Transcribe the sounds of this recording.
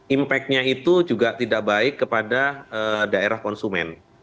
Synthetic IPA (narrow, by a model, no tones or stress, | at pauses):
impɛk̪̚ɲait̪ud͡ʒuɡat̪idaʔ̚baɪkːəpadaədaeɾahkɔnsumɛ̰n